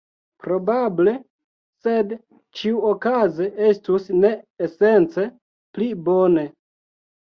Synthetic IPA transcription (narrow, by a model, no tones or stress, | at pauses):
pɾo̞bable̞ | se̞d | t͡ʃiuokazeʔe̞stusne̞ːse̞nt͡se̞ | plibone̞